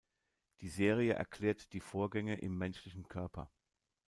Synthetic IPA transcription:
d̥iːzeːʁ̞iəʔɛ̰ɐkʰl̥ɛːɐtd̥iːfoːɐɡɛŋəʔɪ̰mːɛnʃlɪçn̩kʰœɐpʰɐ̰

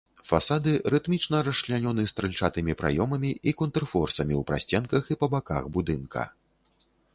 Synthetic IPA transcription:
fasad̪ɨɾɨt̪mʲit͡ʂnɐɾɐʂlʲanʲɔnɨst̪ɾɨlʲt͡ʂat̪ɨmʲipɾa̰jɔmɐmʲiikɔnt̪rfɔrsɐmʲiwpɾa̰sʲt͡sʲɛnkɐxipɐbaka̰xbud̪ɨnkʰɐ̰

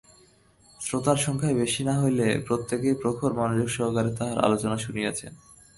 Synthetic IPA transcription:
sɾot̪aɾʃɔŋkʰaebeʃinaɦojlepɾot̪ːekejpɾokʰoɾmanod͡ʑoɡʃɔɦkaɾet̪aɦaɾʔa̰lot͡ɕonaʃuniat͡ɕʰḛn

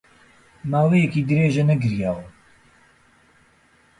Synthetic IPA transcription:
maːwejɛkiːd̪ɨɾeːʒɛnɛɡɨɾjaːwɐ

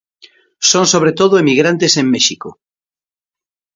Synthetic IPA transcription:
sõnsoβ̞ɾet̪oð̞oemiɣɾant̪esemːeʃiko

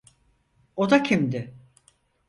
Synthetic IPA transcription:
od̪acʰimd̪ɪ

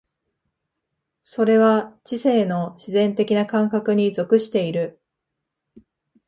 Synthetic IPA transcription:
so̞ɾe̞βat͡ɕise̞ːno̞ɕizẽ̞nt̪e̞kʲinakãŋkakɯ̟ɲ̟izo̞kɯ̟ɕi̥t̪e̞iɾɯ̟

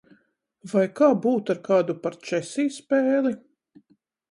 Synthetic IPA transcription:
vajkaːbuːt̪aɾkaːd̪upaɾt͡ʃɛsiːspɛːlˠi

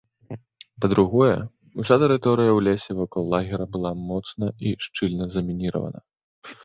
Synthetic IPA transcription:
pɐd̪ɾuɣɔjɛ̰ | usʲat̪ɛɾɨt̪ɔɾɨjɐwlʲesʲɛvɔkɔlˠːaɣʲɛɾɐbɨlˠamɔt̪snɐiʂt͡ʂɨlʲnɐzɐmʲinʲiɾɐ̰vɐ̰nɐ̰

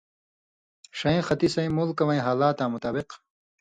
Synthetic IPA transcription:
ʂɐĩxɐt̪isɐj̃mulkɐwɐ̃j̃ɦaːlaːt̪aːmut̪aːbiq

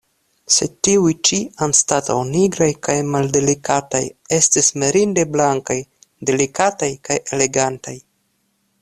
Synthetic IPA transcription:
se̞tiujt͡ʃianstata̰wniɡɾajkajmalde̞likata̰je̞stisme̞ɾinde̞blaŋkajde̞likatajkaje̞le̞ɡantaj

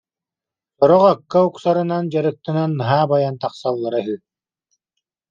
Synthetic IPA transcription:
sɔɾɔʁakːauksaɾɯnand͡ʑaɾɯk̚t̪ɯnanːɯɦaːbajant̪aqsalˠːaɾaɦyː

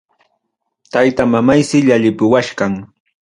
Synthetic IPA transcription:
t̪ajt̪amamajsɪʎaʎɪpʊwaʃɢaŋ

